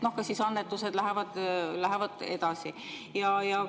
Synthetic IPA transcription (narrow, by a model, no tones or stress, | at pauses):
no̞hkɑsisɑnːet̪ːˑused̪læɦevɑd̪̥læɦevɑd̪̥ed̪̥ɑsi | jɑjɑ